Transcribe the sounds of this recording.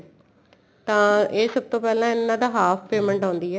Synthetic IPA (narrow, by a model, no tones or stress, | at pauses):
t̪ãːeːsəb̚t̪õːpɛːlãːɪnːãːd̪aːɦaːpʰpeːmə̃ɳʈãːnd̪iːɦɛː